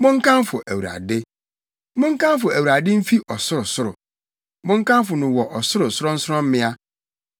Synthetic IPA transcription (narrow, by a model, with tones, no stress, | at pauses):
mʊ̃˦ŋ̩˦kʰã˦mfʊ˨ʔæ˨wu˨ɾa̰˨dɪ˦ | mʊ̃˦ŋ̩˦kã˦m˦fʊ˨æ˨wɾa˨dɪ˦m̩˦fi˦ʔɔ˨sʊ˦ɾʊ˨sʊ˦ɾʊ̰˨ | mʊ̃˦ŋ̩˦kã˦mfʊ˨nʊ̃˨wɔ˨ʔɔ˨sʊ˦ɾʊ˨sʊ˦ɾʊ˦n̩˦sɾɔ̃˦m̩˦mɪ̃˦a˦